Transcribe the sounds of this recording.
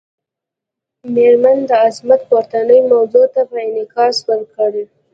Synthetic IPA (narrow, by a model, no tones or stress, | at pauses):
meɾmand̪əazmat̪̚paɾt̪anəjmawzot̪apəɪnɪkɑsbəɾkəɽe